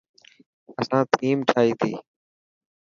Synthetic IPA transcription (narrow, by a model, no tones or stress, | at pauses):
əsãːt̪ʰiːmʈʰaːiːt̪ʰḭː